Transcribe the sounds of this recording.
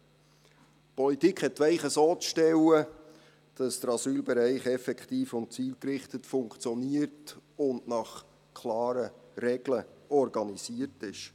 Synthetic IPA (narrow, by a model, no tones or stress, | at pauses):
pɔlitikχhɛtʋæɪχəsoːt͡sʃtɛwə | d̥ɑsd̥əɾɑsyːlbɛɾæɪχɛfɛkχtiːfʊnt̚t͡siːlkɾɪχtətfʊŋkt͡sjɔniərtʊndnɑχ | kʰlɑːɾəɾɛɡ̥ləɔrɡɑnisiərtɪʃ